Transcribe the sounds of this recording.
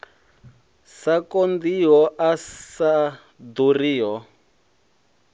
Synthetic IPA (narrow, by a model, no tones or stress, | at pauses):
sakɔnd̪iɦɔʔasa | d̪uriːjɔ